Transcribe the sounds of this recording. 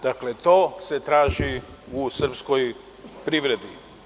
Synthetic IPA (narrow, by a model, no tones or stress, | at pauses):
d̪̥akle̞t̪o̞ːse̞t̪ɾaːʒi | usr̩psko̞j | pɾiʋɾe̞d̪ḭ